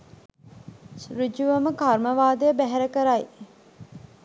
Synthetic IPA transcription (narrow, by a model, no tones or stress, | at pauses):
sɾud͡ʒuʋəməkarməʋaːd̪əjəbæɦɛɾəkəɾaj